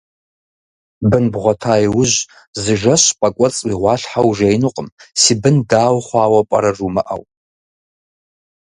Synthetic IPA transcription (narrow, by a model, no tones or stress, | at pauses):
bɨnbʁʷatʰaːjwʊʒʷ | zɨʒaʃʷpʼakʷʼɐt͡sʼwiʁʷɑɬħawʒejnɨqʼəmsibɨndaːwχʷaːwapʼa̰ɾarumɨʔa̰wtʼ